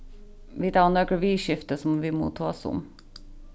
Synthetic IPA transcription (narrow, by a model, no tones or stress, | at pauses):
ʋiːt̪ɑɑnøːkəʋiːʃɪft̪əsɔmʋiːmṵːt̪ʰɑːsʊ̰m